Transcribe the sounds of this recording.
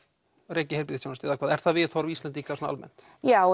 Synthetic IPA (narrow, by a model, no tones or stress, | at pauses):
reːcɪheɾp̬it̪ːsjownast̪ɪɛðakʰaːðɛɾ̥θaðvɪðθɔɾvist̪ɛnt̪ikasɔnaa̰lmɛ̰n̥t̪ | ja